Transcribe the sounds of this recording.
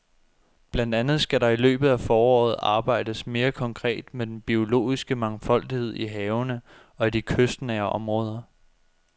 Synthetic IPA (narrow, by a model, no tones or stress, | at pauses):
b̥læn̰d̥ænð̞̩ˠsɡ̥æɾɑ̈ilø̰ːb̥ð̩ˠæfɒːɒ̰ːð̞̩ˠɑ̈ːb̥ɑ̈ɪ̰d̥əsme̝ːɐkʰɒ̽ŋkʰʁɛ̰ːd̥med̥enb̥io̝lo̝̰ːisɡ̥əmɑ̈ŋfɒ̽l̰d̥ihe̝ð̞̰ˠiɦɛːʊnə | ɒ̽id̥ikʰøsd̥nɛɐʔɒ̽mʁɔ̽ːð̞ˠɐ